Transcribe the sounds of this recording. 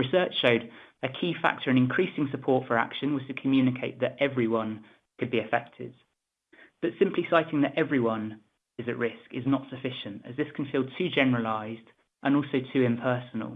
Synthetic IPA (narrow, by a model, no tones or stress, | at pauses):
ɹɪsɜˑt͡ʃʃəʊdəkʰiːfa̰k̚tʰəɹə̃ñɪ̃nkʰɹ̥iˑsɪ̃ŋsəpʰɔˑtfəɹa̰kʃə̃nwɒz̥tʰəkʰəmjʉːnɪkʰeɪʔ̪̚ðətɛvɹiwʌ̃n | kʰəd̚biəfɛ̰k̚tʰɪ̰d̥̚ | b̥ʌtsɪ̃mpʰlisaɪtʰɪ̃ŋðətɛvɹiwʌ̃n | ɪzəʔɹɪskɪznətsəfɪʃə̃ntə̰zðɪskʰə̃n̩fiːlˠtʰʉːd͡ʒɛnəɹəlaɪzd | ʔə̃ñɔˑlˠsəʊtʰʉːɪ̃mpʰɜˑsənə̰lˠ